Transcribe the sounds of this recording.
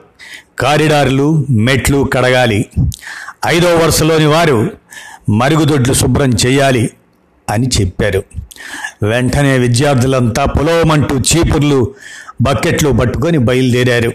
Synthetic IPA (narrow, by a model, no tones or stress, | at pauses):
kaːɾiɖaːɾlume̞ʈlukɐɽɐɡaːli | ɐjd̪ɔːʋɐɾɐʂɐlo̞ːniʋaːɾu | mɐɾuɡud̪oɖlusubɾɐmt͡ʃɛːjaːli | ɐnit͡ʃepːaːɾu | ʋɛɳʈɐne̞ːʋid̪jaːɾd̪ʱilɐnt̪aːpulɐʋɐmɐɳʈuːt͡ʃiːpuɾlubɐkːeʈlupɐʈːukonibɐjuld̪iːɾaːɾu